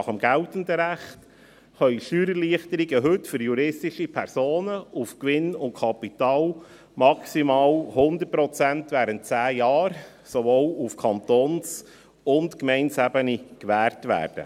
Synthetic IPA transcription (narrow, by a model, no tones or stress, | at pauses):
ɑχəmɡ̥æltən̩dəɾæχt | χœʏʃyːɾəliəχt̪əɾiɡəɦɵtfʏɾjuɾɪstɪʃipʰɛɾsoːnəufkʋɪnʊntkʰɑpitɑːl | mɑksimɑːlhʊnd̪əɾt̚pɾɔt͡sæntvʋæːɾənt̚t͡sæːjɑːɾ | sovoːlufkʰɑntoːns | ʊntkmɛɪnsæbənikʋæːɾtʋæ̰ːɾd̥ə̰